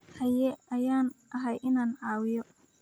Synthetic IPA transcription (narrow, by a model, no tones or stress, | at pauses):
hɐjɛɐjaːnʔɐɦɛjɪnaːnʕɑːwɪjɔ